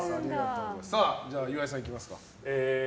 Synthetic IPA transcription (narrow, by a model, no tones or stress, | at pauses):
aiatːossaːd͡ʑaːjɯβais̬ãik̬ʲimasɨ̥ka̰ | e